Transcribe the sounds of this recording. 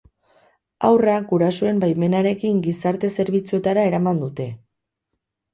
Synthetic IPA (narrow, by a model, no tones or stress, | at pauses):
awraɡuɾasoe̞mbajme̞naɾe̞kiŋɡisaɾt̪e̞se̞ɾβit͡sue̞t̪aɾae̞ɾamand̪ut̪e̞